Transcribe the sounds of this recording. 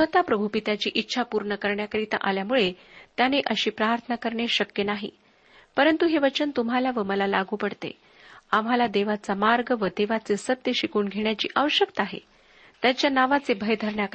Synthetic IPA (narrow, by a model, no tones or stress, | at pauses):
sʋət̪apɾəbʱupit̪at͡ɕiːʔitːɕʰapuɾɳəkəɾɳjakəɾit̪a̰ʔaljamuɭet̪janeʔəɕiːpɾaɾt̪ʰənakəɾɳjeɕəkjənaɦḭ | pəɾənt̪uɦeʋət͡ɕənt̪umɦalaʋəməlalaɡʱuːpəɽt̪ḛ | am̤ɦalad̪eʋat͡samaɾɡəʋəd̪eʋat͡sesət̪jəɕikuːɳɡʱeɳjat͡ɕḭːʔaʋəɕjəkt̪aaɦḛ | t̪jat͡ɕjanaʋat͡sebʱəjd̪ʱəɾɳjak